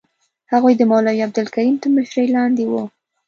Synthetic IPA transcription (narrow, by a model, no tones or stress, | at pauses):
haɣujd̪əmɑlawiab̚d̪ʊlkaɾimt̪əməʃɾəjlɑnd̪ewu